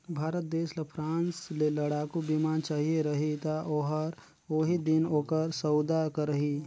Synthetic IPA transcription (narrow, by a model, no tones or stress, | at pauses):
bʱaːɾət̪̚d̪eːslepʰɾãːnsleləɽaːkubimaːnt͡ʃaːɦieɾəɦit̪aʔoːɦəɾ | oːɦid̪ɪnoːkəɾsəwd̪akəɾəɦi